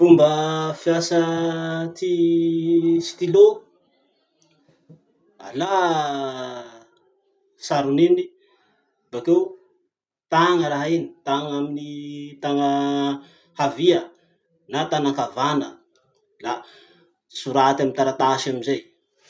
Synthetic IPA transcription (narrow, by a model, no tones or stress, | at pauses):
umbəfijasə | t̪i | si̥t̪ilo | a̰la | saɾunini | b̥akew | t̪aŋəɾaɦaini̥t̪aŋaminit̪aŋə | haviə | nat̪anakavanə̰ | la | suɾat̪amint̪aɾat̪aʃaminzej